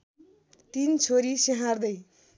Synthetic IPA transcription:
t̪int͡sʰoɾiseɦãrd̪ʌj

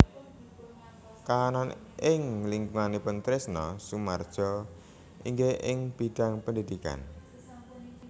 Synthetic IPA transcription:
kaːnan | ʔɪŋliŋɡuŋanepənt̪ɾɪsnɔsumard̥ʒ̥ɔ | ʔiŋɡeʔɪŋb̥i̤ɖ̪̥a̤ŋpəndid̪̥ika̰n

